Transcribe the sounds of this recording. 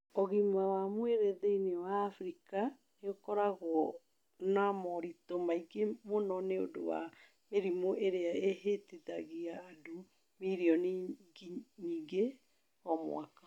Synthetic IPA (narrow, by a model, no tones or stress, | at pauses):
ɔɣimawamweɾeðeinewaːfɾika | neokɔɾaɣwɔ | namɔɾitomaiɡemonɔneo̰do̰wa̰ | meɾimoʔeɾeaeheteðaɣiaːdo | miɾiɔniɡiɲiŋɡe | ɔmw̰a̰kḁ